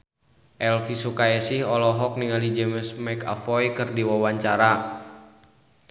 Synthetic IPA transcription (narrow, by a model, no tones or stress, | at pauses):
ʔɛlfisukaɛsihɔlɔɦɔk̚niŋalid͡ʒɛmsmɛka̰fɔjkɨrdiwawaɲt͡ʃaɾa